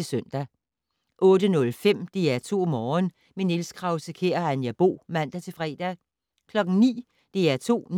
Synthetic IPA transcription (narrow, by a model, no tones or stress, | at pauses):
esœn̰d̥æ | ʔɔ̽ːd̥ənɔ̽lfem̰d̥e̝æɐt͡sʰo̝̰ːmɒːn | menelskʰʁɑ̈ʊsəkʰe̝̰ːɐænjɑb̥o̝̰ːmæn̰d̥æt͡sʰe̝fʁɛ̰ːd̥æ | kʰlɒ̽ɡ̥ŋ̩nḭː | d̥e̝æɐt͡sʰo̝̰ːn